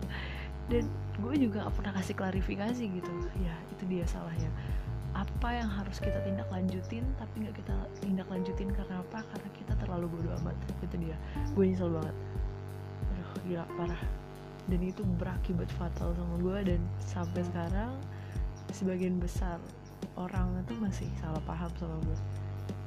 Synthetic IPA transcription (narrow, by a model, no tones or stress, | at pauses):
dan | ɡuad͡ʒuɡaŋa̰ʔpərnahkasɪklaɾifikasiɡit̪ujait̪udiasa̰lahɲaʔapajaŋɦaɾʊskit̪at̪indaklaɲd͡ʒut̪ɪnt̪apiŋɡaʔkit̪at̪indaklaɲd͡ʒut̪ɪnkaɾənaːpakarənakit̪at̪ərlaluɡuadoa̰ma̰t̪it̪udiaɡuamis̬albaŋət̪̚ | dʊhila̰ʔpaɾah | danit̪ubəɾakibat̪fat̪alsamaɡuadansamp̬ɛsəkaɾaŋ | səbaɡianbəsar | oɾaŋnant̪imasɪhsalahpaɦamsamaɡua